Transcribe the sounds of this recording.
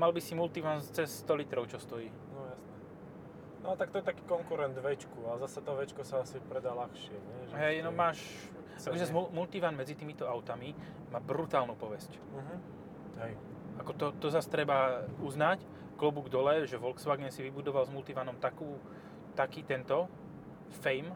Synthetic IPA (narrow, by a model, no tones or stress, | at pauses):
malbisimult̪iʋant͡sɛssːt̪ɔlit̪ɾɔʊt͡ʃɔst̪ɔjiː | nɔjasnɛ | nɔat̪ak̚t̪ɔjɛt̪akiːkɔŋkuɾɛnd̪ʋɛt͡ʃkuazasat̪ɔʋɛt͡ʃkɔsaasipɾɛd̪aːlaxʃɪɛɲɛʒɦɛjnɔmaːʃ | akɔʒzazulmult̪iʋanmɛd͡zit̪iːmit̪ɔaʊt̪ami | maːbɾut̪aːlnupɔʋɛsc̩ | ɦ̩ | ɦɛj | akɔt̪ɔt̪ɔzast̪ɾɛbauznac | klɔbuɡd̪ɔlɛʒɛʋɔlksʋaɡɛnsiʋibud̪ɔʋalzmult̪iʋanɔmt̪akuː | t̪akiːt̪ɛnt̪ɔ | fɛjm